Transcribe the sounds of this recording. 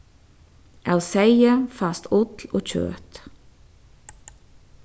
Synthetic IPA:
ʔæ̰ːoːsæɪəfɑst̪ʊt̪l̩oːc͡çø̰ːt̪

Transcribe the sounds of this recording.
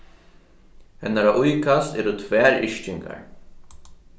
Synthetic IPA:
hɛnːaɾaʔujkʰast̪ɛːɾʊt̪ʰvɛːɾɪ̰ʂcɪŋka̰ɹ

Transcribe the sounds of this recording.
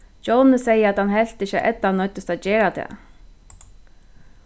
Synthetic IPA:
d͡ʒownəsejəat̪hanɦɛl̥t̪ɪçəʔɛ̰t̪ːanœt̪əst̪ad̪t͡ɕɛːɾat̪ʰɛ̰ː

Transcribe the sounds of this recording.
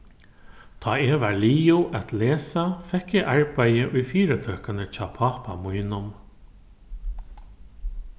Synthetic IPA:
t̪ʰɑːɛːʋaɹliːʊʔat̪leːsafɛkːɪʔaɹpæjəʔʊjfiːɾət̪ʰœːkanət͡ɕɑ̰ːpʰɑːpa̰mujnʊm

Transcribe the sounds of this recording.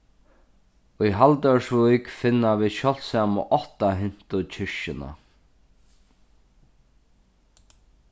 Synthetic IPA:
ujɦalt̪œɹsvujkfɪnːaviːðʃɔl̥samʊ̰ʔɔht̪aɦɪn̥t̪ʊt͡ɕʰɪɹʃɪna̰

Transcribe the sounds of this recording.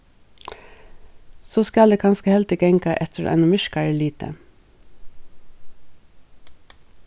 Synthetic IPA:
soːskɑld̪eːkʰɑnskəhɛlt̪ɪkəɛŋkɑʔɛt̪ʰəɾʔæ̰ɪnʊmʏʃkɑɾəliːt̪ə̰

